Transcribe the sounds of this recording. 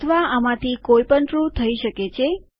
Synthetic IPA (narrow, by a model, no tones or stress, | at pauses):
t̪ʰəʋaamãt̪ʰikoipəɳʈɾut̪ʰəiʃəket͡ʃʰe